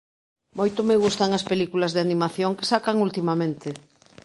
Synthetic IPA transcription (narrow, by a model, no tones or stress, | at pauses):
mojt̪omeɣ̞ust̪aŋɐspelikulɐzðeanimaθjoŋke̥sakaŋult̪imamẽnt̪ɪ